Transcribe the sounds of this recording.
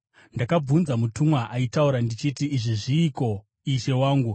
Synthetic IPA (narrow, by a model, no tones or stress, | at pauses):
ndakab͡vunzamutumwaʔaitauɾandit͡ʃitiːʐiʐiːko̞ | iʃe̞waːŋɡu